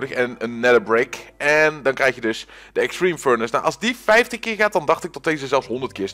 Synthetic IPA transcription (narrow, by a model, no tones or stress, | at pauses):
dəxɛnənːɛləbrejkɛndɑnkrɛjxjədɵs | dəɛkstrimføɹnəsnawʔɑlˠzdifɛjftəxkɪːɹɣaːt̚dɑndɑxtɪk̚tɔtdeːzəzɛlˠfsɦɔndərt̚kɪːɹs